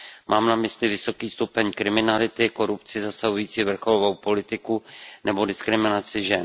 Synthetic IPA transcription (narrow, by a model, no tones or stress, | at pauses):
mʔaːmnamɪslɪvɪso̞kiːst̪upɛɲkɾɪmɪnalɪt̪ɪko̞ɾupt͡sɪzasaɦujiːt͡siːvr̩xo̞lovowpo̞lɪt̪ɪkunɛbo̞dɪskɾɪmɪnat͡sɪʒɛn